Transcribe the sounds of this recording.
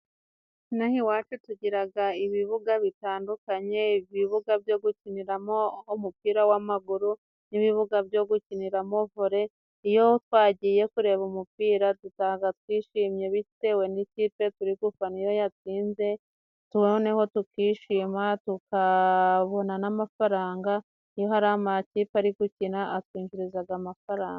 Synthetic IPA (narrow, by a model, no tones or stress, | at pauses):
nahiwaːt͡ʃutuɟiɾaɡaiβiβuɡaβitaːndukaɲe̞iβiβuɡavjo̞ɡuciniɾamomupiːɾawamaɡuɾu | niβiβuɡavjo̞ɡuciniɾamo̞voɾe̞ | ijo̞twaːɟije̞kuɾe̞βumupiːɾatutaɡat̚wiːʃimɲe̞βite̞we̞niciːpe̞tuɾiɡufanijo̞jat͡siːnze̞ | tuone̞ho̞tukiːʃiːmatukaβo̞nanamafaɾaːŋɡa | ijo̞ɦaɾaamaciːpaɾiɡucinaʔat̚kwiːɲɡiɾizaɡamafaɾaːŋɡa